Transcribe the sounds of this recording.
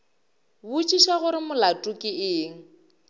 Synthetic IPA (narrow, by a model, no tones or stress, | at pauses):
bʊt͡ʃʼiʃaɣʊɾɪmʊlatʼʊkʼɪɪːŋ̩